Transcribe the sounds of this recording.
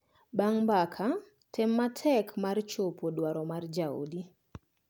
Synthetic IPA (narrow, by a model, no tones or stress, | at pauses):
baŋbakʰa | tʰɛmːatʰɛkʰmaɾt͡ʃopʰodwaɾɔmard͡ʒao̰di